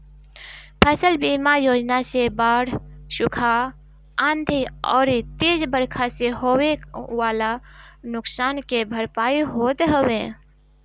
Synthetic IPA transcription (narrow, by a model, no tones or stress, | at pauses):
pʰəsəlbimajoːd͡ʒnasebaːɽʃʊkʰa | ə̃nd̪ʱiɔ̰ːɾt̪eːd͡ʒbəɾkʰaseɦoweʋaːlanʊksaːnkebʱəɾpaːiɦoːt̪ɦəwẽ